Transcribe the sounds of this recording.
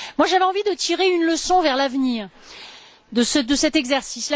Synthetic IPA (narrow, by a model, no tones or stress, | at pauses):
mwaʒavɛɑ̃vid̪ət̪ʰiʁeynləsɔ̃vɛʁlavniːʁ | d̪əsəd̪əsɛt̪ɛɡzɛʁsisla